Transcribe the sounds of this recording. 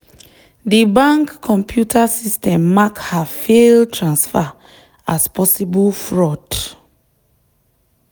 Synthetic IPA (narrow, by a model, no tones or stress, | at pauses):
dibãŋkʰːɔ̃mpʰjutʰasistɛ̃mːakhafeltʰɹãnsfa | aspɔsibulfɹɔd